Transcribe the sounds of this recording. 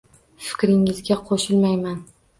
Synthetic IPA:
fɪ̥kʲɾɪŋɪzɡʲaqʰoʃɪlmajman

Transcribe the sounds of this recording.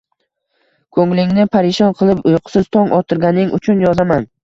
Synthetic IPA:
kʰɵŋlɪŋnɪpʰaɾɪʃɒnqʰɨlˠɪpʊjqʰɨ̥sɪz̥t̪ʰɒŋʔɒt̪ʰɪɾɡʲanɪŋʔʊ̰t͡ʃʰʊnjɒzaman

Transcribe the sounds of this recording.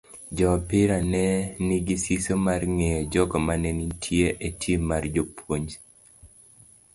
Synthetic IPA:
d͡ʒɔpɪɾanɛnɪɡisisomarŋejɔd͡ʒɔɡɔmanɛnitʰjeʔetʰjemard͡ʒopʰwoɲ

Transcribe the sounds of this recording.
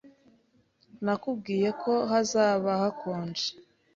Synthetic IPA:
nakub̚ɡiːje̞kʰo̞ɦazaːβahakʰoːnd͡ʒe̥

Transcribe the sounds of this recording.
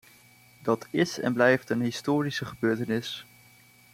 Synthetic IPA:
dɑtɪsɛ̰nblɛjftənɦɪstoːrisəχəbøːɹtənɪs

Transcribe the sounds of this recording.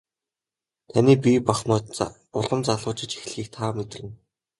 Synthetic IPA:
t̪ʰanʲiːpʲipaχmɔː | ʊɮə̆mt͡saɮʊːt͡ɕɪ̆t͡ɕi̥x̆ɮxiːk̚t̪ʰaːmet̪̆rʲɘ̆n

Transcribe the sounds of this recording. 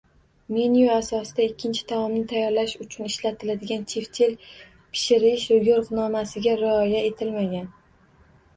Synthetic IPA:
menijoasɒsɪd̪aɪkʲʰːɪnt͡ʃʰɪ̥d̪amɒmnɪt̪ʰajːɒɾlaʃʊt͡ʃʰʊnɪʃlat̪ʰɪlad̪ɪɡʲant͡ʃʰeft͡ʃʰel | pʰɪ̥ʃɪɾɪʃʊjʲoɾqnɒmasɪɡʲaɾɪɒjae̞t̪ʰɪlmaɡʲan

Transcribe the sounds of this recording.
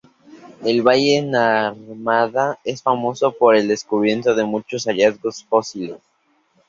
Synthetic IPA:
elβaʝenaɾmaðae̞sfamo̞so̞poɾeld̪e̞skuβ̞je̞nt̪oðe̞mut͡ʃo̞saʝazɣo̞sfo̞siles

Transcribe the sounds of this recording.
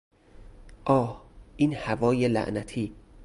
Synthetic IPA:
ʔɒːhʔiːnhævɒːjelæ̰ʔnæt̪ʰiː

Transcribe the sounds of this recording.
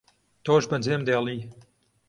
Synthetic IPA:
t̪oːʒbɐnd͡zeːmd̪eːlˠiː

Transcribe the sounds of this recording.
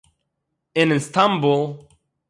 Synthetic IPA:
ɪ̃nɨ̃nstʰãmbulˠ

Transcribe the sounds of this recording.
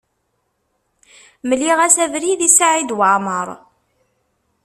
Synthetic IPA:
məlːiʁæsævɾiðisaʕid̪waʕməɾˤ

